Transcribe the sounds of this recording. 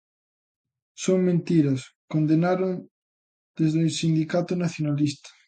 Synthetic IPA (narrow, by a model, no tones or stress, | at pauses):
soŋmẽnt̪iɾɐskond̪enaɾon | d̪̥ezðesind̪ikat̪ʊnaθjonalist̪ɐ̥